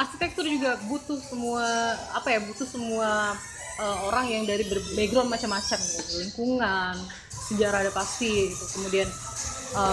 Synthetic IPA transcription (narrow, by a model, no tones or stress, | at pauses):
arkit̪ɛk̚t̪ʊrd͡ʒuɡabut̪ʊhsəmuaapajabut̪ʊhsəmua | əoɾaŋjaŋdaɾibərbeɡɾɔnmat͡ʃamat͡ʃamit̪uliŋkuŋan | səd͡ʒaɾaadapast̪iit̪ukəmudian | ə